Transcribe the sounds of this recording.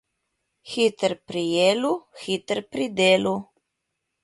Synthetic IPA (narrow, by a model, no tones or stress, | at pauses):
xit̪əɾpɾijeːluxit̪əɾpɾid̪eːlu